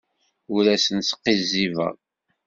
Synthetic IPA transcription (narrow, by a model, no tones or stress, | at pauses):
uɾæsənsə̥qːizːivə̰ʁ